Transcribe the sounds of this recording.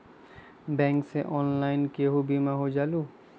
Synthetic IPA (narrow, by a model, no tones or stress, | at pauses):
bɛ̃ŋkseʔɔnlaɪnkeɦubimaɦod͡ʒalu